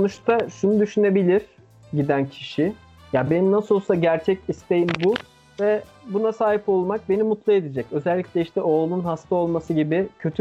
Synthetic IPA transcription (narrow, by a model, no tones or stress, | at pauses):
sonuʃt̪ʰaʃunud̪yʃyne̞bilʲiɾ̥ | ɟid̪æncʰiʃɪ | jabe̞ninasolˠsaɟæɾt͡ʃʰɛcist̪ʰe̞jimbu | vɛbunasaːɦipo̞lˠmak̚be̞nimut̪lˠɯe̞d̪id͡ʒɛcø̞zɛlʲːicʲlʲɛiʃt̪ɛʔo̞ːlˠnunɦast̪ʰao̞lˠmasɯɟibɪcʰø̞t̪ʰy